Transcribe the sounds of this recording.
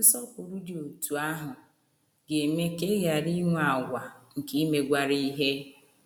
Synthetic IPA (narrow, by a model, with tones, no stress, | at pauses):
sɔ˦kʊ˨ɾu˦dɪ˨o˨tu˨a˦ɦʊ˨ | ɡe˨me˦ke˦ɣa˨ɾi˦ŋʷ˦a˨ɡʷa˨ŋ̩˨ki˦me˨ɡʷa˨ɾi˦ɦe˦